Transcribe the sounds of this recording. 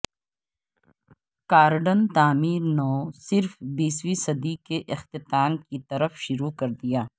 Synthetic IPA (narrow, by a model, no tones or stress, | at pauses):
kaːɾɖənt̪aːmiːɾnoːsɪɾfbiːswisɐd̪ikeʔɪxt̪ɪt̪aːnkit̪ɐɾəfʃʊɾukɐɾd̪ijaː